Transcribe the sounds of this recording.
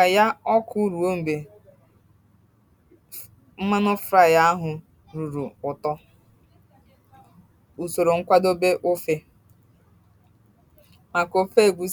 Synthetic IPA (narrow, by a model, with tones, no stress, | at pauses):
a˨ja˦ɔ˦kʰʊ˦ɾu˨o˦m̩˨be˨ | m̩˦ma˦nʊ˦fɾa˨ja˦a˦ɦʊ˨ | ɾu˨ɾu˨ʊ˨tɔ˦ | u˨so˨ɾo˨ŋ̩˦kʷa˦do˦be˦ʔo˦fe˦ | ma˨ko˨fe˦˨ɡʷu˨